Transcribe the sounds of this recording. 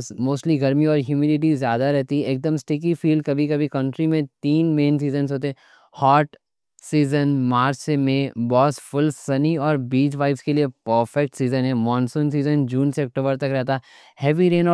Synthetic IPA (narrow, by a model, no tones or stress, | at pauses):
smoːsʈliɡɐɾmiɔːɾɦjuːmiɖɪʈ̬izjaːd̪aɾɛɦt̪iɛeːk̚d̪əmsʈeːk̬ifiːlɖ̚kɐbʱikɐbʱikɐ̃ɳʈɾimẽt̪iːnmẽːns̬iːzənzɦoːt̪̬eɛ | hɔːɾʈ | siːzənmaːɾt͡ʃemẽbɔːsfʊlsɐniɔːɾbiːd͡ʒʋaːɪfskeliepəɾfɛk̚ʈsiːzənɦɛ̃ːmɔ̃ːnsũːns̬iːzənd͡ʒũːnseɐk̚ʈoːbəɾt̪ɐkɾɛɦt̪a | hɛːʋiɾẽːnɔː